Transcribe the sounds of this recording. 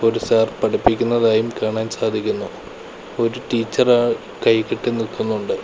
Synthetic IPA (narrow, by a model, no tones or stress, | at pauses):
o̞ɾusaːrpɐʈɐpːikʲːunːɐðaːjumkaːɳaːnsaːd̪ʱikʲːunːu | o̞ɾuʈiːt͡ɕːɐraɭ | kɐjkːiʈːɨnilk̪ːunːuɳɖɨ